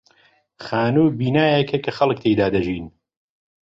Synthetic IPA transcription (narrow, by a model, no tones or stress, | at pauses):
xaːnuːbiːnaːjɐkʰɐkʰɐxɐlˠɨk̚t̪ʰejd̪aːd̪ɐʒiːn